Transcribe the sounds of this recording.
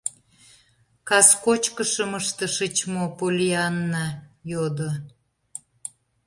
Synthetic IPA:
kɑskot͡ɕkəʃəməʃt̪əʃət͡ɕmopolʲiɑnːɑjod̪o

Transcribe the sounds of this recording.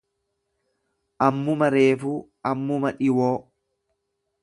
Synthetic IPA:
ʔɐmːʊmɐɾe̞ːfuː | ʔɐmːʊmɐᶑɪwoː

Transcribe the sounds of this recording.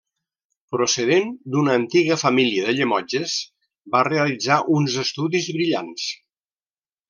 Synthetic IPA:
pɾusəðend̪unəːnt̪iɣəfəmiliəðəʎəmɔd͡ʒəz | bareəlid͡zaʔunzəst̪uðizβɾiʎa̰ns

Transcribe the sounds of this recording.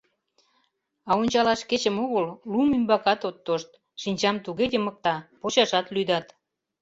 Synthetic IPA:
ɑonʲt͡ɕɑlɑʃket͡ɕəmoɣəllumymbɑkɑt̪ot̪ːoʃt̪ | ʃinʲt͡ɕɑmt̪uɣed̪ʲemək̚t̪ɑpoɕɑʃɑt̪lyjd̪ɑt̪

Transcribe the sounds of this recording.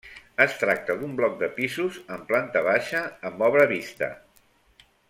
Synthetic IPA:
əst̪ɾak̚t̪əðumblɔk̚d̪əpizuzəmplant̪əβ̞aʃəːmbɔβɾəβist̪ə̰

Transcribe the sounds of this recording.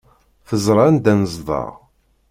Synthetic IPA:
θəzˤɾˤɑnd̪ænəzˤðˤɑ̰ʁ

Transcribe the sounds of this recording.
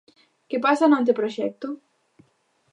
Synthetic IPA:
kepasanant̪̬epɾoʃɛt̪ːu

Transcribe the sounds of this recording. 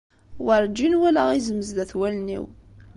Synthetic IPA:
wəɾˤd͡ʒːinwælæʁizəməzd̪æθwælnḭw

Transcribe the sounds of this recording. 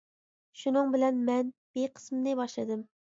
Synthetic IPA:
ʃunɨŋbɪlɛnmɛnb̥eqʰə̥smnɨbɑʃlˠɨd̪ɨm

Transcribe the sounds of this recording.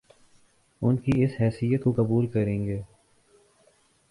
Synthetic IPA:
ʊnkiɪsɦɛːsijət̪kokɐbuːlkɐɾẽːŋɡeː

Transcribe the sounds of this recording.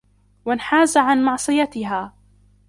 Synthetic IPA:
wanħaːzaʕanmɑʕsˤɨjat̪ɪɦaː

